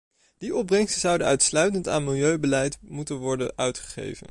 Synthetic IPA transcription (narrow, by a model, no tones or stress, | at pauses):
d̥iʔɔb̚rɛŋstəzɑwdəœɥtslœɥtənta̰ːnmɪlˠjøɥbəlɛjtmutənʋɔɹdənʔœɥtχə̥χḛjvə̰n